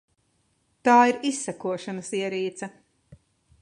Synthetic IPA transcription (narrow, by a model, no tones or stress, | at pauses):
t̪aːiɾisːækuɔʃɐnɐsiɛɾiːt̪sɐ